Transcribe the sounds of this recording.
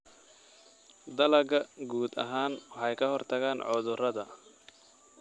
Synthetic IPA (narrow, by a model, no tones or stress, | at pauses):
d̪ɐlɐɡɐɡuːd̪ɐ̰ɦaːnwɑħɑjkʰɐɦɔrt̪ʰɐɣaːnʕɔðʊrɐðɐ